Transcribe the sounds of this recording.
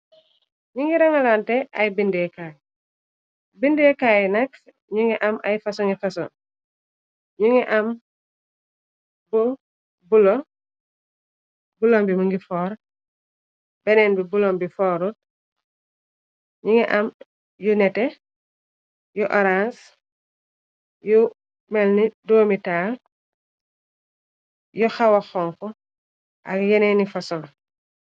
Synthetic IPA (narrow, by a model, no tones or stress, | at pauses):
ɲuŋɡiɾaŋalantɛajbindɛːkaːj | bindɛkajnɐk̚ | ɲuŋɛʔɐmʔa̰jfasɔŋifasɔn | ɲuŋiʔam | bu | bulo | bulombimuŋɡifɔːɾ | bɛnɛːnbibulombifɔːɾut̚ | ɲiŋɛʔam | junɛtɛ | jɔʔɔɾans | ju | mɛlnidoːmitaːl | jɔxawaxɔŋkɔ | ʔa̰ɡjɛnɛnifasɔŋ